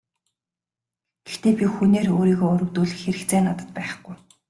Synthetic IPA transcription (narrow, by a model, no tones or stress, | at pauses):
ɡ̥e̥xt̪eːpʲixuneːroːɾiːɣoːʊɾɵ̆wt̪uːɮɘ̆xeɾɘ̆kt͡sʰeːnat̪ə̥̆t̪̚pæːχ̆ɡ̥uj